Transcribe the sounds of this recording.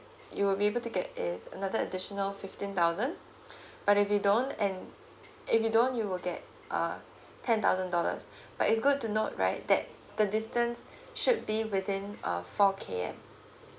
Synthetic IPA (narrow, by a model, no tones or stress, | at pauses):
juwɪlbiebəlˠtuɡɛtɪzə̰naðəədɪʃənəlfɪftĩnt̪aʊzə̃n | b̥aɾɪfjudõnɛ̃n | ʔɪfjudõnjuwɪlɡɛt̚ | ʔʌ̰ | tʰɛ̃nt̪a̰ʊzə̃ndɔlə̰s | b̥atɪts̬ɡʊd̚tːunot̚ɹa̰ɪt̚d̪ɛ̰t̚ | d̪̥ədɪstə̃ns | ʃud̚biwɪθɪ̃nʔʌ̰fɔkʰḛɛ̰̃m